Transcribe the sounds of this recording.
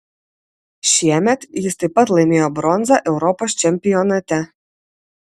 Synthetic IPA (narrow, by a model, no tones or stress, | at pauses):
ʃʲiɛmʲɛt̪jɪst̪ɐɪpːɐt̪lˠɐɪmʲeːjɔbɾɔnzɐʔɛʊɾɔpoːst͡ʃʲɛmʲpʲɪjɔnɐt̪ʲɛ